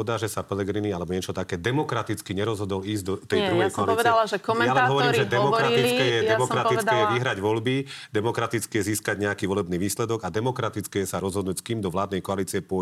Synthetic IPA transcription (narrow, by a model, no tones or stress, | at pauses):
ɔd̪aːʒɛsapɛlɛɡɾinialɛbɔɲɛt͡ʃɔt̪akɛːd̪ɛmɔkɾat̪it͡skiɲɛɾɔzɦɔd̪ɔliːzɟd̪ɔt̪ɛjdɾujɦɛjskɔaliʋɛd̪alaʒɛkɔmɛalɛnɦɔʋɔɾiːɾʒɛdd̪ɛmɔkɾatiilt͡sikɛjɛɛmɔkɾat̪it͡sk̪ɛjɛʋiɦɾaɟʋɔlbid̪ɛmɔkɾat̪it͡skɛjɛziːskaɟɲɛakiʋɔlɛbniːʋiːslɛd̪ɔɡad̪ɛmɔkɾat̪it͡skɛjɛsaɾɔzɦɔd̪nuːcskiːmd̪ɔʋlaːd̪nɛjkɔaliːt͡siɛpʊɔ